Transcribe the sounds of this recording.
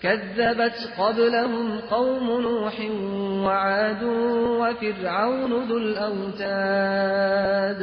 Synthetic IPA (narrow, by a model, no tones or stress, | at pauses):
kaðːabat̪qɑblaɦʊmqɑwmʊnuːħɪwaʕaːd̪uːwafɪɾʕawnʊðʊlʔawt̪aː | d̪